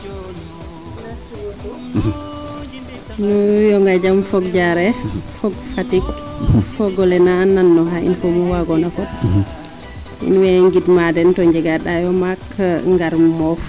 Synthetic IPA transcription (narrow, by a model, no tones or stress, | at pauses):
nujɔŋɡad͡ʒamfɔɡ̚d͡ʒaɾɛfɔɡfatik | fɔɡɔlɛnaːnːanːɔɦaḭnfomuwaɡɔnakɔd | ḭnwɛŋɡidmadɛntɔɲd͡ʒɛɡaɗajɔmakʰːaŋɡaɾmɔf